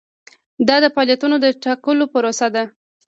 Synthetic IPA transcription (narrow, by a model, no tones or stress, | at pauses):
d̪ɑd̪əfɑljat̪unod̪əʈakəlopəɾosad̪a